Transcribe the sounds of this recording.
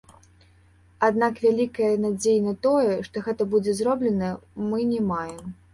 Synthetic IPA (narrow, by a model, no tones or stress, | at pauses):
ad̪̚nakvʲalʲikɐjɐnad͡zʲejnɐt̪ɔjɛʂt̪ɔɣɛt̪ɐbud͡zʲɛzɾɔblʲɛnɐmɨnʲɛmajɛm